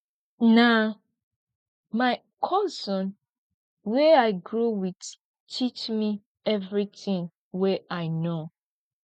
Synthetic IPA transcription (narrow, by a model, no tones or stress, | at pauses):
na | maɪ | kʰɔzɔ̃n | wɛaɪɡɹowid | tʰit͡ʃmi | ɛvɹitĩŋ | wɛʔaɪno